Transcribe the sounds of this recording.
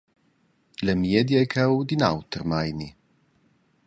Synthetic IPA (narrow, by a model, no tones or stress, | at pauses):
lɛmjɛd̪jɛjkʰawd̪inawt̪ərmajni